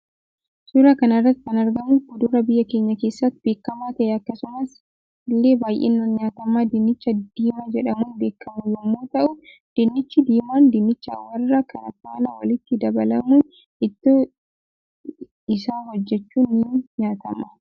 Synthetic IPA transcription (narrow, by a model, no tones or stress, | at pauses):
suɾakɐnɐrːɐt̪ːɪkɐnɐɾɡɐmuːʊd̪uɾɐbɪjːɐkeːɲːɐke̞ːsːɐt̪b̥e̞ːkːɐmaːt̪ɐʔɛɐkːɐsʊmɐs | lːe̞ːbaːjʔḛːnːɐnɲaːt̪ɐmːaːd̪ɪnːɪt͡ʃːɐd̪̥iːmad͡ʒɛᶑɐmuːnbe̞ːkːɐmʊjɔmːoːt̪ɐʔʊ | d̪̥ɪnːɪt͡ʃːɪd̪iːmaːnd̪ɪnːɪt͡ʃːɐ̰wɐrːɐkʰɐnɐk̪ːaːnɐwɐlɪt̪ːɪd̪ɐbɐlɐ̰muːn | ɪt̪ːo | ɪsaːhɔd͡ʒːɛt͡ʃːuːnːɪɲaːt̪ɐmɐ